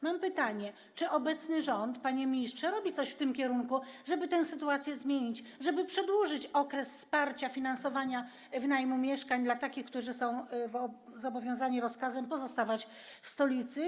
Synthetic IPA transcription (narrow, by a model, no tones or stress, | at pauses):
mampɘt̪aɲɛ | t͡ʂɘʔɔbɛt̪snɘʐɔnt̪paɲɛmʲɲistʂɛɾɔbʲit̪sɔɕft̪ɘmkʲɛɾuŋkuʐɛbɘt̪ɛw̃sɘt̪uat̪sʲjɛzmʲjeɲit͡ɕ | ʐɛbɘpʂɛd̪wuʐɘt͡ɕɔkɾɛsfspaɾt͡ɕafʲinansɔvaɲa | vnajmumʲjɛʂkaɲd̪lat̪akʲixkt̪uʐɘsɔ̃w̃vɔ | zɔbɔvʲjɔ̃w̃zaɲiɾɔskazɛmpɔzɔst̪avat͡ɕ | fst̪ɔlʲit̪sɘ